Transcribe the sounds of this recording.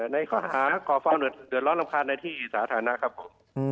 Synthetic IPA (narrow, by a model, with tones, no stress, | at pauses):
ɛ˨˩na˧jkʰɔː˧˩haː˨˦˥kɔː˨˩faː˧wdɯ˨˩ət̪̚dɯ˨˩ət̪lɔː˦˥ŋla˧mkʰaː˧nːaː˧t̪ʰiː˥˩sa̰ː˨˦t̪ʰaː˩˦na˧˥kʰa˦˥˩pʰːo˨˩˦m